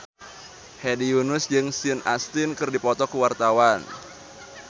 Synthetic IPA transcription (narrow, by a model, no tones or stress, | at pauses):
hediunʊsd͡ʒɨŋsiɨna̰st̪ɪnkɨrdipɔt̪ɔkuwart̪awan